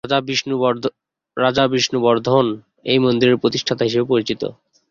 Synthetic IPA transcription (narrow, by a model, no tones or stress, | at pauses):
biu | ɾad͡ʑabɾiʃnubɔɾd̪ʱon | ejmond̪iɾeɾpɾot̪iʃʈʰat̪aɦiʃebepoɾit͡ɕit̪o̰